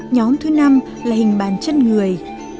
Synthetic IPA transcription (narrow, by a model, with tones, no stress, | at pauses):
ɲɔ˨˦mt̪ʰɨ˨˦na˧m | laː˨˩hï˨˩ŋ̟ɓa̰ː˧˨nt͡ɕe˧nŋɨ˨˩əj